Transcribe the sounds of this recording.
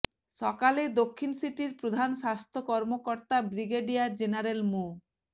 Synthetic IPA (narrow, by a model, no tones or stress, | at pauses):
ʃɔkaled̪okʰːinsiʈiɾpɾod̪ʱanʃast̪ʰokɔɾmokɔɾt̪abɾiɡeɖijad͡ʑenaɾelmu